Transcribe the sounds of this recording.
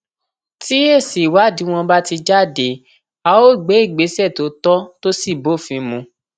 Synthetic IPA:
ti˦e˦˨si˨wa˨˦˨di˨˦w̃ɔ̃˧ba˦ti˧d͡ʒa˦˨de˨˦ | a˧o˦˨ɡ͡be˨˦i˦˨ɡ͡be˨˦sɛ˦˨to˨˦tɔ˦to˦si˦˨bo˦˨fĩ˨˧˦mũ˧

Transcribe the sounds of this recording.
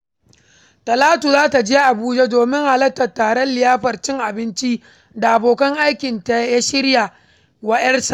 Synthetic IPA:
tɐ˨laː˦tu˨zaː˦ta˨d͡ʒeː˦ʔa˨buː˦d͡ʒe˦doː˨mɪ˦ŋha˨lɐ˦tːɐ˨tːaː˨ɽɐ˦nlɪ˨jaː˦ɸɐ˨rt͡ʃɪ˦ŋʔa˨bɪ˦nt͡ʃi˦ | da˨ʔa˨boː˨kɐ˦ŋʔa˦jkʲɪ˨nta˨a˦ja˦ʃɪ˦ɽja˨ | wɐ˦ɗɐ˦rsa˨ʔ

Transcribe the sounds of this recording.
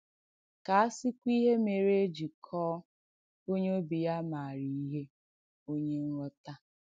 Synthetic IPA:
ka˨a˦sɪ˦kʷi˦ɦe˦me˨ɾe˦e˦d͡ʒi˨kʰɔː˦ | o˦ɲe˦o˦bi˨ja˦ma˨ɾi˨i˦ɦe˦ | o˦ɲe˦n̩˦ɾɔ˦ta˦

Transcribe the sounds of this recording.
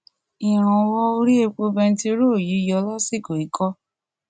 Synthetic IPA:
i˨ɾ̃ɔ̃˨˧wɔ˦o˧ɾi˦e˧k͡po˧bɛ˧n̩˦ti˦˧o˦ɾo˦˨ji˨˦jɔ˧la˦se˦˨ko˨i˨˦kʰɔ˦

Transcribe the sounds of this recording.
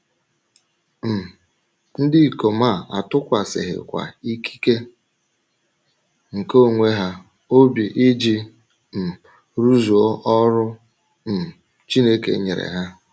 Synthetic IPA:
m̩˨ | n̩˦dɪ˦˨ko˨ma˦˨a̰˨tʊ˦kʷa˨sɪ̰˨ɦɪ̰˨kʷa̰˨i˦kʰi̥˦ke˦ | ŋ̩˨ko˦˨ŋʷe˦ɦa˦ | o˦bi˨ʔɪ˦d͡ʒi˦ | m̩˨ | ɾu˦zu˨o˦ʔɔ˦ɾʊ˦ | m̩˨ | t͡ʃi˦ne˦kḛ˨ɲḛ˨ɾḛ˨ɦa˦

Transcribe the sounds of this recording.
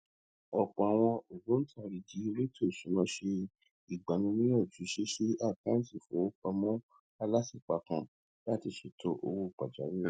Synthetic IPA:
ɔ˨k͡pɔ̃˨a˨w̃ɔ̃˧o˨ɡo˨˦n̩˦tʰa˦˨ɾi˨d͡ʒi˨˦ɾe˦tʰo˦˨sũ˨˦mã˨˦ʃe˧ | i˨ɡ͡ba˨nũ˨˦nĩ˦ɔ˦˨d͡ʒu˨˦ʃe˦ʃe˦a˦˨kã˨˦n̩˦ti˦˨fo˨˦k͡pa˧mɔ̃˦ | a˧la˦si˦˨k͡pa˧kã˧ | la˦ti˧su˨tʰo˧˦ʔo̰˧wo˧k͡pa˨d͡ʒa̰˨˦ɾĩ˦

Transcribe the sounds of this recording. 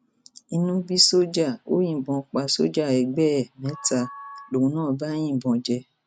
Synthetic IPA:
i˧nũ˦bi˦so˦d͡ʒa˦˨o˦jĩ˦˨bɔ̃˧k͡pa˧so˦d͡ʒa˦˨ɛ˨ɡ͡bɛ˦˨mɛ̃˨˦ta˧lo˨ũ˧˦nãː˦˨ba˦j̃ĩ˦˨bɔ̃˨˧d͡ʒɛ˧

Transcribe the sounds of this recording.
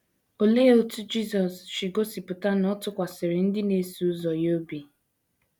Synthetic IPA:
o˨leː˦o˨tu˦d͡ʒi˦zɔ˨sʃi˨ɡo˦si˨pʊ˨ta˦nɔ˦tʊ˦kʷa˨sɪ˨ɾɪ˨n̩˦dɪ˦ne˨˦su˨ʊ˦zɔ˨jo˦bi˨

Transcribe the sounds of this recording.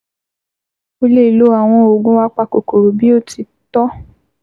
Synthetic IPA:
o˦le˦i˨lo˨˦a˨w̃ɔ̃˧o˨ɡũ˦wa˦k͡pa˧ko˨ko˨ɾo˨bi˦o˦ti˧ | tɔ˦

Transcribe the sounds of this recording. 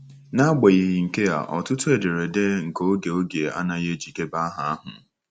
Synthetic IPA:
na˦ɡ͡be˨i˨ɦi˨ŋ̩˨ke˦ja̰˨ʔɔ̰˨tʊ˦tʊ˦e˨de˨ɾe˨de˦ŋ̩˨ko˦ɡe˨o˦ɡe˨a̰˦na˨je˦d͡ʒi˨ke˦ba˦a˦ɦa˨a˦ɦʊ̰˨

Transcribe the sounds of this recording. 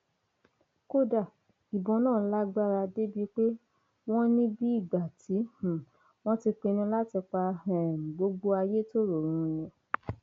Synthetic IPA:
ko˦da˨ | i˨bɔ̃˨˧˦nãː˦˨˧la˦ɡ͡ba˦ɾa˧de˦bi˦k͡pe˦ | w̃ɔ̃˦nĩ˦bi˦i˦˨ɡ͡ba˨ti˨˦h̩˨ | w̃ɔ̃˦ti˧k͡pe˧nĩ˧la˦ti˧k͡pa˧ɛ˨ɡ͡bo˧ɡ͡bo˦a˧je˦to˦ɾo˨ɾ̃ũ˨˦nĩ˧

